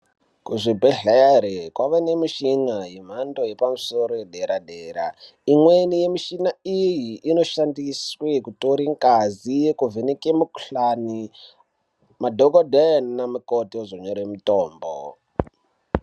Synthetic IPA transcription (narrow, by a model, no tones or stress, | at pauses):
kuʐibʱeɮaɾekwaʋanemiʃiŋajem̤andojepamusoɾojeɗeɾaɗeːɾa̰ | imwenijemiʃinaijiːnoʃandiswekutoɾiŋkazijekuvenikemukuɬani | madʱokodennamukotiozoɲoɾemutoːmbo̰